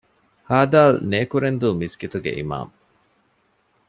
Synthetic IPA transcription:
haːd̪aːlneːkuɾend̪uːmisɡit̪uɡḛʔḭma̰ːm

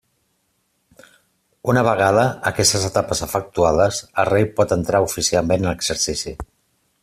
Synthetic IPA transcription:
unəβ̞əɣ̞aðəəkɛst̪əzət̪apəzəfək̚t̪uaðəzərejpɔt̪ənt̪ɾaufisialˠmenələɡz̥əɾsisi

